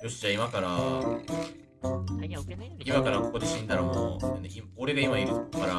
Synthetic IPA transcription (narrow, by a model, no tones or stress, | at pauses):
joɕid͡ʑaimakaɾa | imakaɾako̞kod̪e̞ɕĩnd̪aɾomo̰aneimo̞ɾe̞ɡaimaiɾɯkaɾa